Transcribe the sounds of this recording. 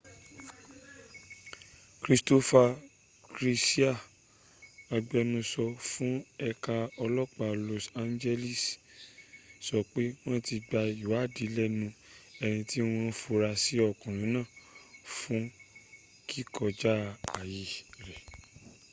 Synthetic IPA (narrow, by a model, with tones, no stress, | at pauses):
kɾi˧sto˧fa˧ | kɾi˧si˦a˦˨ | a˧ɡ͡bɛ˧nũ˧sɔ˧fũ˦ɛ˧ka˧ɔ˧lɔ˦k͡pa˧˨lo˧sa˨nd͡ʒɛ˧li˦˨s | sɔ˧k͡pe˦w̃ɔ̃˦ti˧ɡ͡ba˧i˨wa˨˦˨di˨˦lɛ˦nũ˧ɛ˧nĩ˧ti˦w̃ɔ̃˦fo˧ɾa˧si˦ɔ˧˨kɔ̃˨ɾ̃ũ˨˦nãː˦˨fũ˦ | ki˦kɔ˧d͡ʒa˦a˨ji˨ɾɛ˨